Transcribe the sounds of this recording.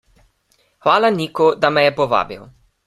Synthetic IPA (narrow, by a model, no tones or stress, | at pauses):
xʋaːlaniːkɔd̪amɛjɛpɔʋa̰ːbḭw